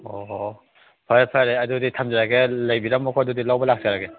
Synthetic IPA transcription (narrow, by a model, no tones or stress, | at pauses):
ɔ | pʰaɾpʰajɾeaduditʰamzaɾaɡelajbiɾamːakʰɔdudilawbɐlak̚zaɾaɡe